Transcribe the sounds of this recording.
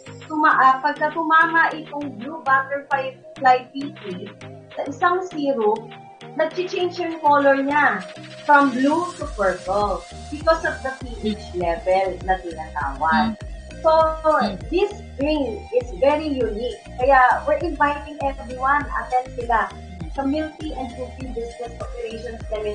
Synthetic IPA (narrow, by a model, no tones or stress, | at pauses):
t̪ʊmaʔapɐɡ̚kɐt̪ʊmaːmɐʔɪt̪oŋblubat̪ɛɹfaj | plajpit̪ɾi | sɐʔɪsaŋsiːɾo | nɐɡ̚t͡ʃɪt͡ʃẽjnd͡ʒʊŋkoːlɔɹɲafɹɐmblut̪ʊpɛɹpɔl | bɪkɔsɔvd̪ɐpiʔɪd͡ʒlɛvɛlnɐt̪ɪnat̪a̰ːwɐɡ | sod̪ɪs | bɹɪ̃ŋɪsvɛɹijunik̚ːɐjawɪɹʔɪ̃nvajt̪ɪ̃ŋʔɛvɹɪwãnɐ̰t̪ɛn̚sɪla | sɐmɪlt̪iʔɛnd̪̚pupiŋd̪ɪst̪ɛspɔpjʊlejʃɔnsd̪ɐmɪn